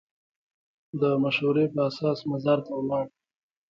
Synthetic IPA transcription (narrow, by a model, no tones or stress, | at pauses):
d̪əmaʃhuɾepəasɑsmazaɾt̪awlɑɳ